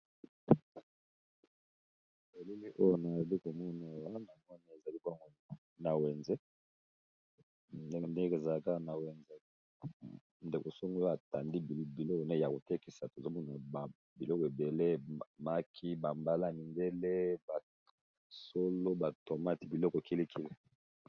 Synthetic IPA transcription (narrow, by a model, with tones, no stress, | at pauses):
e˨le˦li˦ʔo˦jo˦na˨o˨bi˦ko˨mɔ˦na˨wa˦na˨mɔ˦na˨e˨za˨li˦ka˦ŋɡo˦ | na˨we˨nze˦ | nde˦˨nde˦ke˨za˨la˦ka˦˨na˨we˨nze˦ | nde˨ko˨so˦ŋɡo˦a˨ta˨ndi˦˨bi˨lo˦ko˨ne˦˨ja˨ko˨te˦ki˨sa˨to˨za˦mɔ˦na˨b | bi˨lɔ˦kɔ˨e˨be˨le˦ma˦kʰi˦ba˨mba˨la˦˨ni˨nde˦le˦ba˨ | so˦lo˦ba˨to˨ma˦ti˨bi˨lɔ˦kɔ˨e˨ki˦li˦kʰi˦le˨